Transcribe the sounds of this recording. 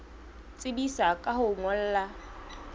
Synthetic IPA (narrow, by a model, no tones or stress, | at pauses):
t͡sʼɪbisakʼahʊŋɔl̩ːla